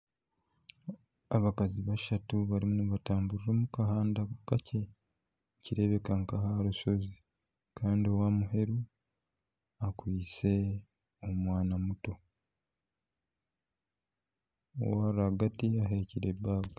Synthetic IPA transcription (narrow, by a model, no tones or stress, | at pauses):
aβakaziβaʃatuβaɾimunuβataːmbuɾiɾomukaɦaːndaukacʰe̞ | ciɾe̞βe̞kaŋkahaɾuso̞zi | kʰaːndiowamuɦe̞ɾu | akwiːt͡se̞ | omwaːnamuto̞ | o̰waɾaɡatiaɦe̞ciɾebaːɡa